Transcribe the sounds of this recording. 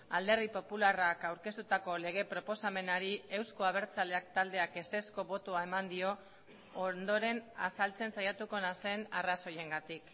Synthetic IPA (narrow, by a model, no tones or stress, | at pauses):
ald̪e̞ɾðipo̞pularakawɾke̞st̪ut̪ako̞le̞ɣ̞e̞pɾo̞po̞same̞naɾie̞wskoaβ̞e̞ɾt͡sale̞akt̪ald̪e̞ake̞se̞sko̞βo̞t̪oae̞mand̪io̞ː | nd̪o̞ɾe̞na̰salt͡se̞nsajat̪uko̞nase̞naraso̞je̞ŋɡat̪ik